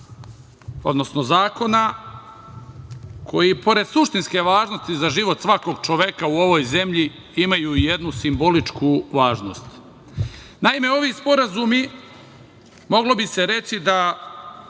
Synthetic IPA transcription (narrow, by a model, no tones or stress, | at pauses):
o̞̰d̪no̞sno̞zaːko̞na | kʰo̞jipo̞ɾe̞d̪suʃt̪inske̞ʋaːʒno̞st̪izaʒiʋo̞t̪sʋako̞ɡ̚t͡ʃoʋekauo̞ʋo̞ːjze̞mʎi | imajuːije̞d̪nusimbo̞lit͡ʃkuʋaːʒno̞st̪ | naime̞o̞ʋiːspo̞ɾazumi | mo̞ɡlo̞bise̞ɾe̞t͡ɕid̪a